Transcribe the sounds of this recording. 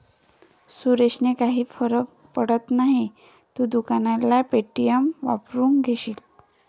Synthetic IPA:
suɾeɕnekaɦiːfəɾə | pəɽət̪naɦi | t̪uːd̪ukanalapeʈːijəmʋa̰pɾuːŋkɡʱeɕiːl

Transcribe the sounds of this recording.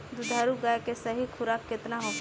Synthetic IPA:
d̪ʊd̪ʱaːɾuɡaːjkesɐɦikʰʊɾaːkːɪt̪naɦõː

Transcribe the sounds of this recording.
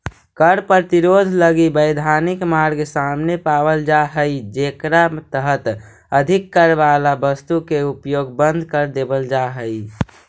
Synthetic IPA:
kəɾpɾət̪iɾod̪ʱləɡibəɪd̪ʱanikmaɾɡsamnepabəld͡ʒaɦəid͡ʒekɾat̪əɦət̪ | əd̪ʱikːəɾbalabəst̪ukeupjoɡbənd̪ʱkəɾd̪ebəld͡ʒaɦəj

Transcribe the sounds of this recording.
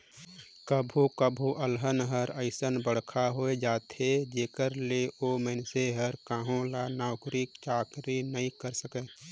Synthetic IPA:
kəbʱukəbʱuʔəlɦənɦəɾəɪsənbəɽ̤kʰaɦoed͡ʒaːt̪ed͡ʒeːkəɾleʔomɛnseɦəɾkaːɦõlanaːʊkɾik̚t͡ʃaːkɾinəɦĩkəɾsəke

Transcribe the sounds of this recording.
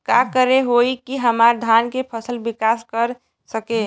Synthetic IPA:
kakəɾeɦoikiɦəmaɾd̪ʱankepʰəsəlbikaskəɾ | səke

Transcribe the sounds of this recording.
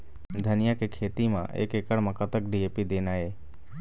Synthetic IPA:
d̪ʱənɪjakekʰeːt̪imã̰ʔḛːkekəɽmãkət̪əkɖieːpid̪eːnaːeː

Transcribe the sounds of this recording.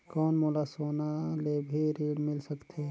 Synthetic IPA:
kɔːnmoːlasoːnalebʱiɾiːɽmɪlsəkt̪ʰe

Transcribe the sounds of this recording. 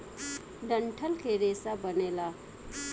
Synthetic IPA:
ɖəɳʈʰəlkʰeɾeːsabəneːla

